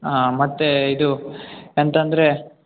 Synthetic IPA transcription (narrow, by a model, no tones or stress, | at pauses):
amɐt̪ːeid̪uent̪ɐnd̪ɐɾe